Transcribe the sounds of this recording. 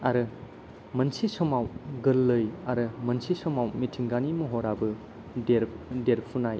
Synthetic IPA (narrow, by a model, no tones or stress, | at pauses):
aɾɯ | mɐnsisɔmawɡɯlːɯjaɾɯmɐnsisɔmawmitʰiŋɡanimuɦoɾabɯ | deɾdeɾpʰunaj